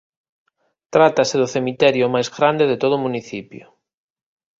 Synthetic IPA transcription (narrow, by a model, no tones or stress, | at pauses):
t̪ɾat̪aseðʊθemit̪ɛɾjʊmajzɣɾand̪eðet̪oð̞ʊmũniθipjʊ̰